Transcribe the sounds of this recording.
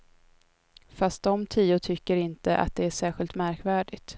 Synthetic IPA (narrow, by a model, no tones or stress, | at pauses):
fast̪̚d̪ɔmt̪ʰiːʊt̪ʰʏkːəɾɪnt̪əʔa̰t̪̚d̪ɛæʂæːɧɪlt̪mæɾkvæːɖɪɡt̪